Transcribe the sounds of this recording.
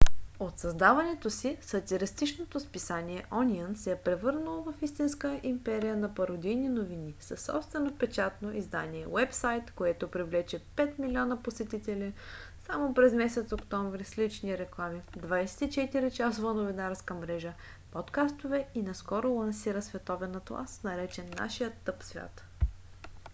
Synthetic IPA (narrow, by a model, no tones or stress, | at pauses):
ot̪sɐzd̪avɐnɛt̪osisɐt̪ʲiɾist̪it͡ʃnot̪ospisaniɛʔɔnʲiənsɛɛpɾɛvɤɾnəlˠovɐfist̪inskəʔimpɛɾijənɐpɐɾod̪ijninovinisɐsːɔ̰pst̪vɛnopɛt͡ʃat̪noʔizd̪aniɛwɛpsajt̪koɛt̪opɾivlɛt͡ʃɛpɛt̪milʲiɔnɐposɛt̪it̪ɛli | samopɾɛzmɛsɛt̪sokt̪ɔɱvɾislit͡ʃniɾɛklˠamid̪vajsɛ̥t̪it͡ʃɛt̪iɾit͡ʃasovənovinaɾskəmɾɛʒə | pɔt̪kast̪ovɛinɐskɔɾʊlˠɐnsiɾəsvɛt̪ɔvɛnɐt̪lˠa̰snɐɾɛt͡ʃɛnːa̰ʃijət̪ːɤpsvʲja̰t̪